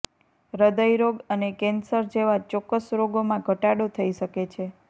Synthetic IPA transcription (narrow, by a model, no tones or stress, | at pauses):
ɾəd̪əjɾoɡənekɛnsəɾd͡ʒeʋat͡ʃɔkːəsɾoɡomãɡʱəʈaɽot̪ʰəiʃəket͡ʃʰe